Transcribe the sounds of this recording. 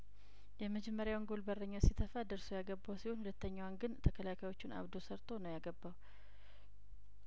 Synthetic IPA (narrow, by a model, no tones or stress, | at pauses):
jɛməd͡ʒɛmːəɾjawnɡolbərːəɲːasit̪ʰːəfad̪əɾsojaɡəbːawsiho̞nhulət̪ːəɲːawanɡɨnt̪ʰəkʰəlakʰajo̞t͡ʃːunʔa̰βd̪osəɾt̪ʰo̞nəwjaɡəbːaw